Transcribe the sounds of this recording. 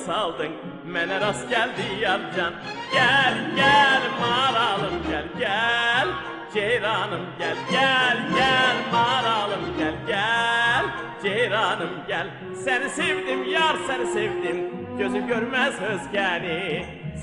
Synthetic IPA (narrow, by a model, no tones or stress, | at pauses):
salˠd̪ɯn | menɛɾasɟælʲd̪ijand͡ʒan | ɟælʲɟælʲmaɾalˠɯmɟælʲɟælʲ | d͡ʒejɾanɯmɟælʲɟælʲɟælʲmaɾalˠɯmɟælʲɟælʲ | d͡ʒejɾɑnɯmɟælʲ | sænisevd̪imjaɾsɛnisevd̪im | ɟ̥øzymɟøɾmæzhøzɟæni